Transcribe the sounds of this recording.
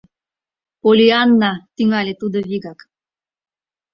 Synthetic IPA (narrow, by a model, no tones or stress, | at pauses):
polʲianːɑt̪iŋɑlʲet̪ud̪oβiɣɑk